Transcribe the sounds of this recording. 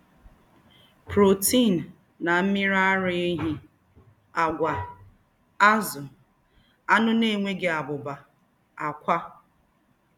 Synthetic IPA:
pɾo˨ti˦˨n˨ | na˨m̩˦mi˦ɾa˦ɾɪ˦e˦ɦi˦ | a˨ɡʷa˨ | a˦zʊ˨ | a˦nʊ˦ne˦˨ŋʷe˦ɡe˨a˨bʊ˨ba˨ | a˨kʷa˦

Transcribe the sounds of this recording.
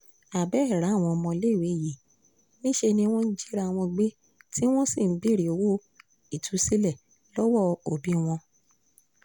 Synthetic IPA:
a˨bɛ˦˨ɾa˨˦˨w̃ɔ̃˧mɔ̃˧le˦˨we˨˦˨ji˨ | nĩ˦ʃe˧nĩ˧w̃ɔ̃˦n̩˦d͡ʒi˦ɾa˦˧˨w̃ɔ̃˧ɡ͡be˦ | tʰi˦w̃ɔ̃˦si˦˨n̩˨˦bi˦˨ɾi˨o˨˦wo˦ | i˨tʰu˨˦si˦lɛ˦˨ | lɔ˦wɔ˦˨o˨bĩ˨˦w̃ɔ̃˧

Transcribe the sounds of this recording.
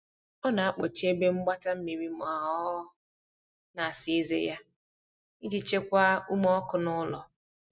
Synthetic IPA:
ɔ˦na˨a˦k͡po˨t͡ʃe˦be˦ŋ͡m̩˦ɡ͡ba˦ta˦m̩˦mi˨ɾi˦mɔ˨a˨ɦɔ˦ | na˨a˨sɪ˨i˦zḛ˦ja˦ | i˦d͡ʒi˦t͡ʃe˦kʷa˦u˦m˦ɔ˦kʊ˨nʊ˦lɔ˨

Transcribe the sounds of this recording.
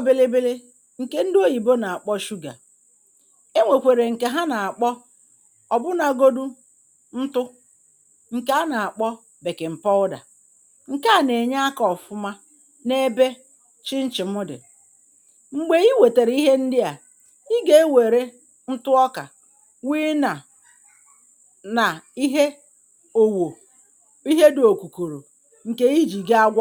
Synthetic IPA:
bɪ˦lɪ˦bɪ˦lɪ˦ | ŋ̩˨ke˦n̩˦do˦ji˨bo˦na˨a˨k͡pɔ˦ʃu˦ɡa̰˨ | e˦ŋʷe˨kʷe˨ɾe˨ŋ̩˨ke˦ɦa˦na˨a˨k͡pɔ˦ | ɔ˨bʊ˦na˨ɡo˦du˦ | n̩˦tʊ˦ | ŋ̩˨ka˦a˦na˨a˨k͡pɔ˦ | be˨kɪ˨m̩˨pɔ˦ʊ˦da̰˨ | ŋ̩˨ka˦˨ne˨ɲa˦a˦kɔ˨fʊ˦ma˦ | ne˦be˦ | t͡ʃɪ˦n̩˦t͡ʃɪ˨mʊ˦dɪ̰˨ | ŋ͡m̩˨ɡ͡be˨i˦we˨te˨ɾi˦ɦe˦n̩˦dɪ˦a˨ | i˦ɡe˦e˦we˨ɾe˦ | n̩˦tʊ˦ɔ˦ka̰˨ | wi˦na˨ | na˨i˦ɦe˦ | o˨wo˨ | i˦ɦe˦do˨ku˨ko˨ɾo˨ | ŋ̩˨ke˦i˦d͡ʒi˨ɡe˦a˦ɡʷɔ˦

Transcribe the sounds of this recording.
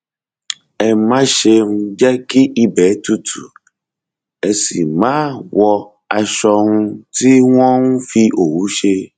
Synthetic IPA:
ɛ˨mã˦ʃe˧ŋũ˦d͡ʒɛ˦ki˦ʔi˦bɛ˨˦t̪u˦tʰṵ˨ | e˨si˨mã˦wʔɔ˧ | a˨ʃɔ˧ŋũ˦ti˦w̃ɔ̃˦ŋũ˦fi˧ʔo˨wu˨˦ʃe˦

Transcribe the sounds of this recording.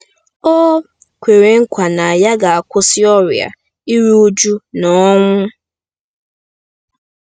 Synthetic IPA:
o˦ | kʷe˨ɾe˨ŋ̩˦kʷa˨na˨a˨ja˦ɡa˨a˨kʷʊ˦sɪ˦ɔ˦ɾja̰˨ | i˦ɾu˦u˦d͡ʒu˦nɔ˦ŋʷʊ˦

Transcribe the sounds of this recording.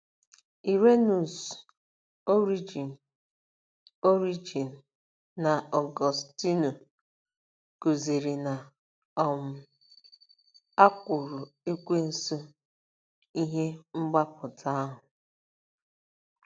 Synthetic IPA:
i˨ɾe˦nu˨s | o˦ɾi˦d͡ʒi˨n˨ | o˦ɾi˦d͡ʒi˨n̩˨ | na˨ɔ˨ɡɔ˨sti˦no˨ | ko˨ze˨ɾi˨na˨ | ɔ˨mʊ˨ | a˦kʷʊ˨ɾʊ˨e˦kʷe˦n̩˨so˦ | i˦ɦe˦ŋ͡m̩˦ɡ͡ba˦pʊ˨tʰa˦a˦ɦʊ˨

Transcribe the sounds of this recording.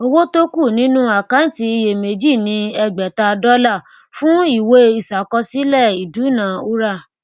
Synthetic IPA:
o˧wo˦to˦ku˦˨nĩ˦nũ˦a˨kã˨˦n̩˦ti˧i˧je˨me˨d͡ʒi˦˨nĩ˧ɛ˧ɡ͡bɛ˨ta˧dɔ˦la˦˨ | fũ˦i˦˨we˧i˨sa˨kɔ˧si˦lɛ˦˨i˨du˨˦nã˨˦u˦ɾa˦˨

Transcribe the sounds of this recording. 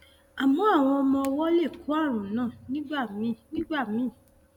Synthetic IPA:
a˨mɔ̃˨˦a˦˨w̃ɔ̃˧ɔ˧mɔ̃˧ɔ˧wɔ˦le˦˨ku˨˦a˦˨ɾ̃ũ˨˦nãː˦˨nĩ˦ɡ͡ba˦˨mĩ˨˦nĩ˦ɡ͡ba˦˨mĩ˨˦˨

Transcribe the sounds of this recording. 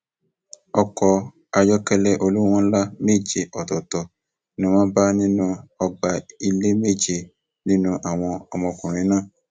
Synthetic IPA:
ɔ˧kɔ˧ | a˧jɔ˦kɛ˦lɛ˦ʔo˧lu˦w̃ɔ̃˦la˦me˦˨d͡ʒe˧ʔɔ˨tɔ˨tɔ˨ | nĩ˦w̃ã˦ba˦nĩ˦nũ˦ɔ˧ɡ͡ba˧i˧le˦me˦˨d͡ʒe˧ | nĩ˦nũ˦ʔa˨w̃ɔ̃˧ɔ˧mɔ̃˧˨kũ˨ɾ̃ĩ˨˦nãː˦˨

